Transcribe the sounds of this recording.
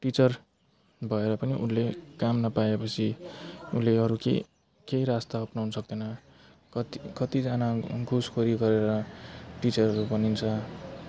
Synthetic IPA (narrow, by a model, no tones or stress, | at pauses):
ʈit͡sʌr | bʱʌeɾʌpʌniʔṵnlekamnʌpaepʌt͡sʰiuleʌɾukḛ | kejɾast̪aʌpnawnʌsʌk̚d̪ʌnʌ | kʌt̪ikʌt̪id͡zanaɡʱuskʰoɾiɡʌɾeɾʌʈit͡sʌrɦʌɾubʌnint͡sʰʌ